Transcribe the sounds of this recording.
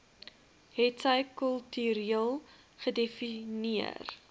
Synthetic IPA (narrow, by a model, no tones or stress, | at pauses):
ɦɛtsəjkəlˠtyɾiəlˠ | χədefiniə̰r